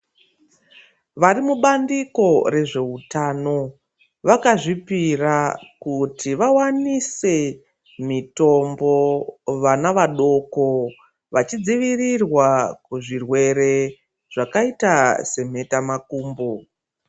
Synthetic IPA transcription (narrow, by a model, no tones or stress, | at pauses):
ʋaɾimuɓandiko̞re̞ʐe̞utano̞ | ʋakaʐipirakutʰiʋawanise̞ | mito̞mbo̞ʋanaʋaɗo̞ko̞ | ʋat͡ʃid͡ziʋirirwakuʐirwe̞ɾe̞ | ʐ̥akaitase̞m̤e̞tamakuːmbo